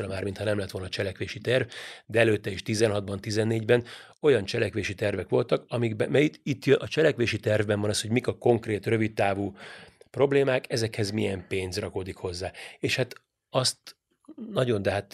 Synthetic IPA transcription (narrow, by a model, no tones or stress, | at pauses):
ɾɛmaːrmint̪hɒnɛmlɛt̪ʋo̞lnɒt͡ʃɛlɛkʋeːʃit̪ɛrvd̪ɛɛløːt̪ːɛeːʃt̪izɛnɦɒd̪̚bɒnt̪izɛnːeːɟbɛn | o̞jɒnt͡ʃɛlɛkʋeːʃit̪ɛrvɛkʋo̞lt̪ɒkɒmiɡbɛmɛjit̪it̪ːjøʔɒt͡ʃɛlɛkʋeːʃit̪ɛrvbɛɱvɒnɒsho̞ɟmikɒko̞ŋkreːt̪rø̞vit̪ːaːvuː | pro̞bleːmaːkɛzɛkhɛzmijɛmpeːnzrɒkoːd̪ikho̞zːaːeːʃhat̪ | ɒst̪ | nɒɟo̞nd̪ɛɦat̪